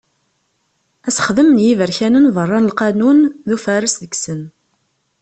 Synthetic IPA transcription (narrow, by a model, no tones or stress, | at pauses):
æsə̥χðəmnjivəɾçænənvˤərˤːɑnəlqɑnunðufæɾəsðəɡsən